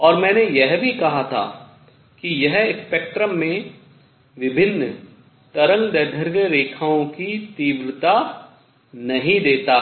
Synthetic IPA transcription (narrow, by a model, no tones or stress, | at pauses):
ɔːɾmɛ̃ːnejɛɦbʱikɐɦat̪ʰa̰ː | kijɛɦspeːk̚ʈɾəmːẽ | ʋɪbʱɪnːə | t̪ɐɾə̃ŋɡd̪ɛd̪ʱəɾɡəɾeːkʰaːõkit̪iːbɾɪt̪a | nɐɦĩd̪eːt̪aː